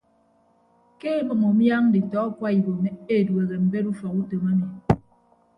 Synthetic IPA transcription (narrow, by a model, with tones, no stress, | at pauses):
ke˦e˦mɨ˨ŋo˨mja˦ŋ˦di˨tɔ˨˦kwa˦i˨bo˨me˨e˦˨dwe˨ɣe˨m̩˨be˦ɾu˦fɔ˨ku˦to˨ma˦ne˨